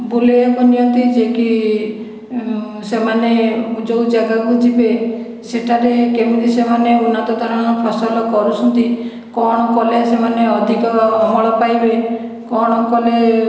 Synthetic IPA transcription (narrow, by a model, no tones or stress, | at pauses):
bulekɔnijɔnt̪id͡ʒeki | semaneud͡ʒowd͡ʒaɡakud͡ʒibe | seʈʰaɾekebut̪isemaneunat̪ɔd̪aɽɔɽ̃ɔpʰɔsɔlɔkɔɾut͡ʃʰɔnt̪i | kɔɽ̃ɔkɔlesemaneɔd̪ʱikɔɦɔɭɔpajbe | kɔɽ̃ɔkɔle